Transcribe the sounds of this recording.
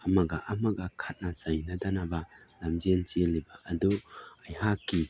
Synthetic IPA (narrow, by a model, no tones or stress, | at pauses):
ɐmɐɡɐʔɐmɐɡɐkʰat̚nɐzɐjnɐdanabɐlɐmd͡ʒent͡ʃilːibɐʔːduɐjɦakːi